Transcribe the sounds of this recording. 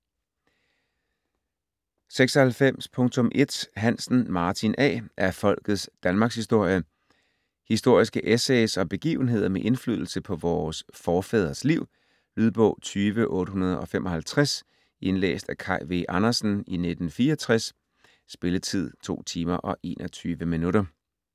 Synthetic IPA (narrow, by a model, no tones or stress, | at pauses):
seɡ̥sɒ̽hælfem̰spʰɔ̽ŋt͡sʰɔ̽mʔe̝d̥ɦæn̰sn̩mɑ̈ːt͡sʰinʔɛ̰ːʔæɐfɒ̽l̰ɡ̥ð̞̩ˠsd̥ænmɑ̈ːɡ̥shisd̥o̝ɐ̰jə | hisd̥o̝ɐ̰isɡ̥əʔeseɪsɒ̽b̥e̝ɡ̥ḭːʊn̩e̝ð̞ˠɐmeʔe̝nfly̰ðˠl̩səpʰɒ̽ʋɒːsfɒːfɛːð̞ˠɐsliʊ̰ | lyð̞ˠb̥ɔ̰̽ʊ̰t͡sʰyːʋəʔɔ̽ːɾəɦunɐð̞ˠɒ̽femɒ̽hælt͡sʰʁas | ʔe̝nlḛːsd̥ækʰɑ̈ɪʋeʔɑ̈nɐsn̩ine̝d̥n̩fiːɐɒt͡sʰʁas | sb̥e̝lət͡sʰið̞̰ˠt͡sʰo̝̰ːt͡sʰiːmɐʔɒ̽ʔe̝ːnʔɒt͡sʰyːʋəminuɾɐ